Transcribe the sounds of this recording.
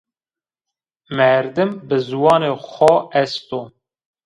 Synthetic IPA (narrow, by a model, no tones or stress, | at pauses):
mɛɾd̪ɨmbɨzuwɑːnexʷɔɛst̪o